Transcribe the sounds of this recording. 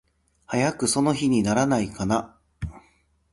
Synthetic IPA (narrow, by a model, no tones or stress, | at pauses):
hajakɯ̟so̞no̞çiɲ̟inaɾanaikana